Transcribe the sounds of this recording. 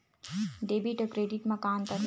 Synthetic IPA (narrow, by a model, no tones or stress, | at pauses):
ɖeːbiʈəkɾeːɖiʈmɐkaːnt̪ɐ